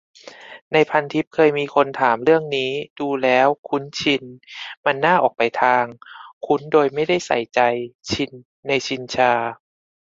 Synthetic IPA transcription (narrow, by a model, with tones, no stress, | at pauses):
na˧jpʰa˧nt̪ʰi˦˥p̚kʰɤː˧jmiː˧kʰo˧nt̪ʰaː˩˦mɾɯ˥˩əŋniː˦˥duː˧lɛː˦˥wkʰu˦˥nt͡ɕʰi˧nma˧nːaː˥˩ʔɔː˨˩k̚pa˨jt̪ʰaː˧ŋkʰu˦˥ndoː˧jma˥˩jda˥˩jsa̰˨˩˦jt͡ɕa˧jt͡ɕʰi˧nː | a˧jt͡ɕʰi˧nt͡ɕʰaː˧